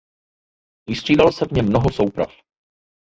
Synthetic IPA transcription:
vɪst̪r̝̥iːdalsɛvɲɛmːno̞ɦoso̞wpɾa̰f

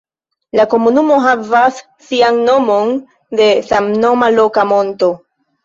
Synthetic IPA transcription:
lako̞munumo̞ɦavasː | ianːo̞mo̞n | de̞samno̞malo̞kamo̞nto̞

